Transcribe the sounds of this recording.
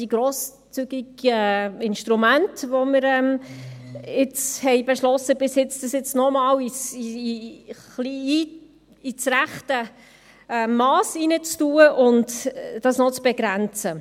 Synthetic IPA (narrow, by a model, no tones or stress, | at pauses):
d̥iɡɾoːs | t͡syɡiɡəɪnʃtɾumæntʋoməɾɛm | ɪt͡shɛɪbeʃlɔsːəbɪsjɪt͡sd̥ɑsjɪt͡snɔmɑːwisi | χlii | it͡sɾæχtə | ɛmɑːsinət͡stuːəʔʊndd̥ɑsnɔt͡sb̥eɡɾænt͡sə